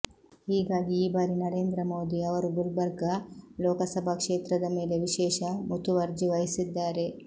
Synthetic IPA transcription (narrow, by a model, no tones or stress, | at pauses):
iːɡaːɡiiːbaːɾinɐɾe̞ːnd̪ɾɐmoːd̪iɐʋɐɾubulbɐɾɡɐloːkɐsɐbʱɐkʂeːt̪ɾɐd̪ɐme̞ːle̞ʋiʃɛːʃɐmut̪uʋɐɾd͡ʒiʋɐjisid̪ːaːɾe̞